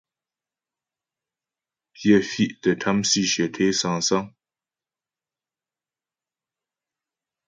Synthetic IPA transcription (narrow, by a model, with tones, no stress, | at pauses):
pjɛ˦˨fi˦ʔtə˨tʰa˦msi˦˨ʃɥɛ˨tʰe˦sa˧ŋsa˦ŋ